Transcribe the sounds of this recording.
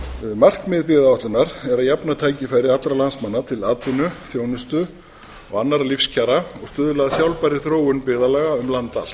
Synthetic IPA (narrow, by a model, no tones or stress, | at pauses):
mar̥kmɪðpɪðaɔht̪lʏnaɾɛɾaðjapnat̪ʰaːjcɪfaːjɾɪɾat̪lɾalansmanːat̪ʰɪlaːt̪ʏnʏθjoːwnʏst̪ʏ | ɔɣanːaɾlifscʰaɾaɔɣst̪ʏːðʏlaðasjawlpaɾɪθɾoːwʏnpɪðalaːɣaʏmlant̪a̰l